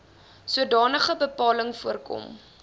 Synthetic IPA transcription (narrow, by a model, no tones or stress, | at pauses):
suədɑːnəχəbəpɑːləŋfuərkɔ̰m